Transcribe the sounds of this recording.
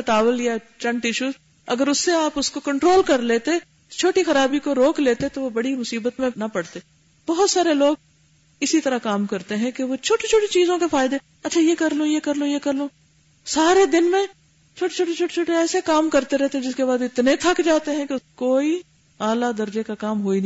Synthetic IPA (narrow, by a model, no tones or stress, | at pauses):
ʈaːʋəlja | t͡ʃɐ̃ɳʈɪʃuːz | ɐɡəɾʊsːeaːpʊskokɐ̃ɳʈɾoːlkɐɾleːt̪e | t͡ʃʰoːʈixɐɾaːbikoɾoːkleːt̪et̪oʋobɐɽimʊsiːbət̪mẽnɐpɐɽt̪e | bɔɦʊt̪saːɾeloːɡ̚ | ɪsit̪ɐɾakaːmkɐɾt̪eɦɛ̃keʋot͡ʃʰoːʈet͡ʃʰoːʈit͡ʃiːzõkefaːɪd̪e | ɐtːt͡ʃʰajekɐɾlõːjekɐɾlõːjekɐɾlõː | saːɾed̪ɪnmẽ | t͡ʃʰoːʈet͡ʃʰoːʈet͡ʃʰoːʈet͡ʃʰoːʈeɛːsekaːmkɐɾt̪eɾɛɦt̪eɛ̃d͡ʒɪskebaːd̪ɪt̪net̪ʰɐkd͡ʒaːt̪eɦɛ̃kekoːi | aːlad̪ɐɾd͡ʒekakaːmɦoːin